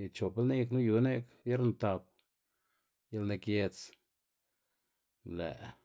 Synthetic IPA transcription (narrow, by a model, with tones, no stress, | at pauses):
t͡ʃo˨plni˦knu˦ju˧ne˦kbje˦ɾnt̪a˧p̚ | ja˧lne˧kje˧t͡s | lḛ˨ʔ